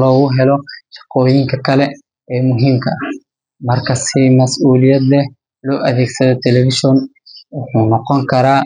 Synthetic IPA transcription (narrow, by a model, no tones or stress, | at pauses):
lɔːɣʊɦɛlɔʃɐ̥qɔːjɪŋkʰɐkʰɐlɛ | ɛːmʊɦiːmkʰɐʔɐh | mɐrkʰɐsimɐsʔuːlɪjɐd̪lɛh | lɔːʔɐðɛːɡsɐðɔt̪ʰɛlɛfɪʃjɔn | wʊħuːnɔqɔŋkʰɐɾaː